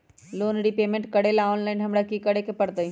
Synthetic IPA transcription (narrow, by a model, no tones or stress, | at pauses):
loːnɾipeːmẽɳʈkəɽelaoːnlaɪnɦɐmɽakikəɽekepəɽt̪əi